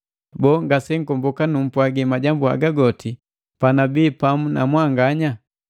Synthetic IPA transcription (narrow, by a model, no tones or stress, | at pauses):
bɔːŋɡasɛŋ̩kɔmbɔkanum̩pwaɡimaɟambua̰ɡaɡɔtʰi | panabiːpamuna̰mwaŋɡaɲa